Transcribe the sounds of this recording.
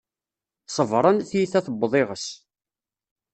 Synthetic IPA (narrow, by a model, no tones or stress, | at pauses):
sˤəvɾˤənθjiθæθbðˤeʁəs